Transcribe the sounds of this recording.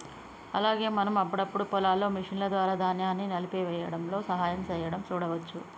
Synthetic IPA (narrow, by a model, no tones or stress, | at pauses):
ɐ̰laːɡe̞ːmɐnɐmɐpːɐɽɐpːuɽupɔlaːlːo̞ːmiʂinlɐd̪ʋaːɾaːd̪aːnjaːnːinɐlipeːʋɛːjɐɽɐmlo̞ːsɐɦaːjɐmt͡ʃɛːjɐɽɐmt͡ʃuːɽɐʋɐt͡ʃːu